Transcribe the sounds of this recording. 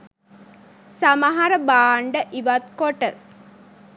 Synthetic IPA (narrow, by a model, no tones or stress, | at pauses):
samaɦaɾəbaːɳɖəʔiʋat̪koʈə